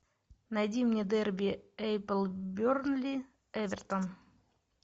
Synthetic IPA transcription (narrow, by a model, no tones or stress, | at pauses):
nɐjdʲimnʲed̪ɛrbʲiɛjpəlˠbʲornlʲi | ɛvʲɛrt̪on